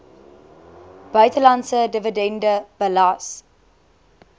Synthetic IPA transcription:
b̥œɥtəlansədəvədɛndəb̥əlas

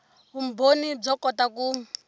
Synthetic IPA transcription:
βumbʱonid͡zɔkʼɔtaku

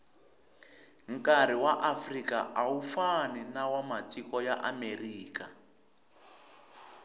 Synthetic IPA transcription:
ŋ̩kaɾ̤iwaʔafrikaʔawufaninawamatikɔjaʔameriːka

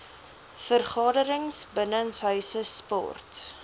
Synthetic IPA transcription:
fərχɑːdəɾəŋsbənənsɦœɥsəspɑ̰ːrt

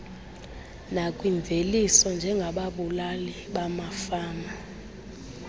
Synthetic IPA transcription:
nakʼwiɱbvʱelisɔnd͡ʒʱɛŋɡʱaɓaɓulali | ɓamafaːna

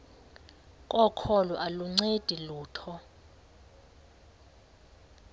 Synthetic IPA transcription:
kʼɔkʰɔluʔaluŋ͡ǀed̥ʱiluːtʰɔ

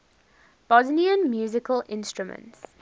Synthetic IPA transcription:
b̥ɔzniə̃nmjuːzɪkəlɪ̃nstɹumə̰̃nts

